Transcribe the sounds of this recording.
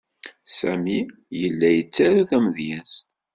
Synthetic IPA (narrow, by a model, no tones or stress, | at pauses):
sæ̰mi | jəlːæjət͡sːæɾuθæmðjænst̪